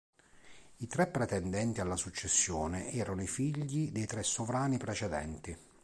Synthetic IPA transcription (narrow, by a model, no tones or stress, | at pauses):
it̪ɾɛpːɾɛt̪ɛnd̪ɛnt̪ialːasut͡ʃːɛsːjɔːneʔɛːɾanoifiʎːid̪ejt̪ɾɛsːovɾaːnipɾɛt͡ʃɛd̪ɛ̰nt̪i